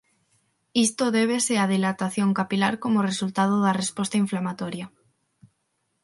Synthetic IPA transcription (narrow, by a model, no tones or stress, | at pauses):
ist̪oðeβ̞eseaðilat̪aθjoŋkapilaɾkomoresult̪að̞oðarespost̪aiɱflamat̪oɾja